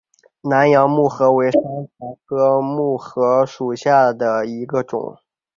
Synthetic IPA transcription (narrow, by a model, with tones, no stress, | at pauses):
na˧˥njɑ˧˥ŋmu˥˩xɤ˧˥we˧˥ɪʂa˥nka˧˥ɪkʰɤ˥mu˥˩xɤ˧˥ʂu˨˩ɕja˥˩d̪ə˩i˧˥ɡə˧ʈ͡ʂʊ̰˨˩˦ŋ